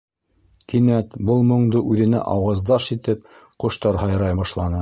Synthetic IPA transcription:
kinæt̪bɤlˠmŏɴd̪ɤʔʉðɘ̆næ̰ʔɑwɑzd̪ɑʃit̪ɘp̚ | qŏʃt̪ɑɾɦɑjɾɑjbɑʃlˠɑnɤ

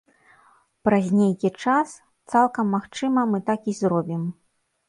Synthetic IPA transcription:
pɾɐzʲnʲejkʲit͡ʂas | t̪salˠkɐmːaxt͡ʂɨmɐmɨt̪akizɾɔbʲim

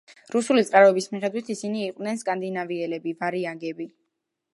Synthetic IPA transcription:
ɾusulit̪sʼqʼaɾɔɛbismiχɛd̪wit̪ʰisiniːqʼvd̪nɛnskʼand̪inaviɛlɛbivaɾiaɡɛbi

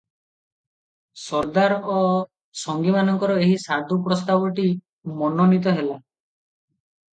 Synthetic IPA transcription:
sɔɾd̪aɾɔ | sɔŋɡimanɔŋkɔɾɔeɦisad̪ʱupɾɔst̪abɔʈi | mɔnɔnit̪̬ɔɦela

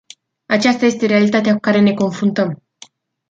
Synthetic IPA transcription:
at͡ʃast̪aje̞st̪e̞ɾe̞alit̪at̪eakukaɾe̞ne̞ko̞nfɾunt̪əm

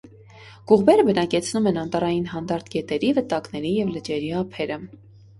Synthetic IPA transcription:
ɡ̥uʁbɛɾəbənɑkɛt͡sʰnumɛnɑnt̪ɑɾɑjinɦɑnd̪ɑɾt̪ʰɡɛt̪ɛɾivət̪ɑknɛɾijɛvlət͡ʃɛɾiɑpʰɛɾə

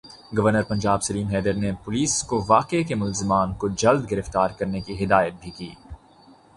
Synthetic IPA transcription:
ɡɐʋəɾnəɾpɐ̃ɲd͡ʒaːbsɐliːmɦɛːd̪əɾnepʊliːskoʋaːqekemʊlzɪmaːnkod͡ʒɐld̪ɡɪɾəft̪aːɾkɐɾnekiɦɪd̪aːjət̪̚bʱikiː

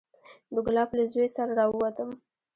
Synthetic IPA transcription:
d̪əɡlɑplazoesaɾaɾɑwəwat̪əm

